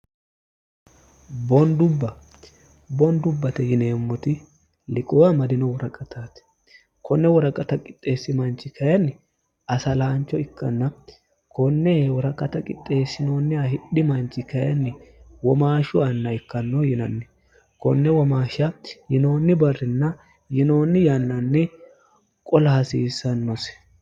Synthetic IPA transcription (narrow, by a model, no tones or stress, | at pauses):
bɔnd̪ʊbːɐ | bɔnd̪ʊbːɐt̪ɛjɪneːmːɔt̪ɪ | lɪkʼɔwamɐd̪ɪnɔwɔɾɐkʼɐt̪ʰaːt̪ | kʰɔnːɛwɔɾɐkʼɐt̪ɐkʼɪt̪ʼːe̞ːsːɪmɐnt͡ʃːɪkɐjɐnːɪ | ɐsɐlaːnt͡ʃːɔɪkːɐnːɐ | kɔnːɛwɔɾɐkʼɐt̪ɐkʼɪ̰t̪ʼːe̞ːsːɪno̞ːnːɪɐhɪɗːɪmɐnt͡ʃːɪkɐjɐnːɪwɔmaːʃʊɐnːɐɪkːɐnːɔjɪnɐnːɛ | kɔnːɛwɔmaːʃɐjɪno̞ːnːɪbɐrːɪnːɐ | jɪno̞ːnːɪjɐnːɐnːɛ | kʼɔlɐhɐsiːsːɐnːɔsɛ̥